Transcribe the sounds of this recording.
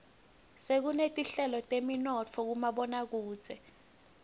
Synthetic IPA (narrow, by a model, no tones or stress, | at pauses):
sek̬unetʼiɬɛlɔtʼeminɔt͡fʰɔk̬umaɓɔnak̬u̥ːz̥ʱɛ